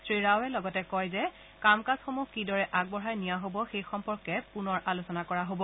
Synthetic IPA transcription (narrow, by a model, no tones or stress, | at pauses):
sɹiɹawɛlɔɡɔtɛkɔjzɛ | kamkazxomukidɔɹɛʔaɡ̚bɔɹajnijaɦobɔxejxɔmpɔɹkɛpunɔɹʔalusɔnakɔɹaɦobɔ